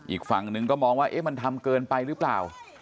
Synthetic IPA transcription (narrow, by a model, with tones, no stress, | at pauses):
ʔiː˨˩k̚fa˨˩ŋnɯ˧ŋkɔː˥˩mɔː˧ŋwaː˥˩ʔe˦˥˩ma˧nt̪ʰa˧mkɤː˧npa˧jɾɯː˦˥plaː˨˩w